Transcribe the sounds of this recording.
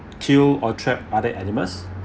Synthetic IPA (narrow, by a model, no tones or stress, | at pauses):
kʰilɔtʰɹɛp̚adəʔɛniməs